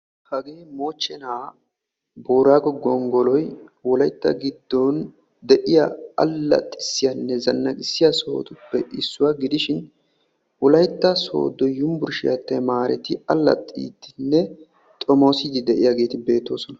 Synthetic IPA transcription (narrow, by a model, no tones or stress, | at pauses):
hɐɡe̞ːmo̞ːt͡ʃːɛnaː | boːɾaːɡɔɡɔŋɡɔlɔjwɔlɐjt̪ːɐ̰ɡɪd̪ːɔn | d̪ɛʔɪjɐɐ̰lːɐ̰t̪ʼːɪ̥sːɪjɐnːɛzɐnːɐɡɪsːɪjɐso̞̰ːt̪ʊpːɛʔɪsːʊwɐɡɪd̪ɪʃɪn | wɔlɐjt̪ːɐso̞̰ːd̪ːɔjʊmbʊɾʃɪjɐt̪ːɛmaːɾɛ̰t̪ɪɐlːɐ̰t̪ʼːḭːt̪ːɪnːɛ | t̪ʼɔmoːsɪd̪ɪd̪ɛʔɪjaɡe̞ːt̪ɪbe̞ːt̪ːo̞ːsɔnɐ